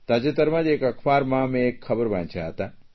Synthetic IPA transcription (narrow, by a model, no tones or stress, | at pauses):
t̪aːd͡ʒet̪ɐɾmãd͡ʒeːkɐkʰbaːɾmãːmẽeːkxɐbəɾbã̰nt͡ʃʰa̰t̪a